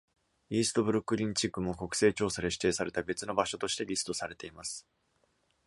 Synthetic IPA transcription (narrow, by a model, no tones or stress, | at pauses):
iːsɨ̥t̪o̞bɯ̟ɾɯ̟kːɯ̟ɾʲĩɲt͡ɕikːɯ̟mo̞ko̞kɯ̟̥se̞ːt͡ɕo̞ːsad̪e̞ɕi̥t̪e̞ːsaɾe̞t̪abe̞t͡sɨno̞baɕo̞t̪o̞ɕi̥t̪e̞ɾʲisɨ̥t̪o̞saɾe̞t̪e̞imasɨ̥